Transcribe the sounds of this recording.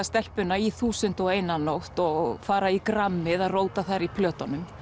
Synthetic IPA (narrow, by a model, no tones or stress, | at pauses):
ast̪ɛl̥pʏnaiθuːsʏn̥t̪ɔɣeːjnanowht̪ɔɣfaːɾaikɾamːɪðaðroːwt̪aθaɾipʰlœːt̪anʏm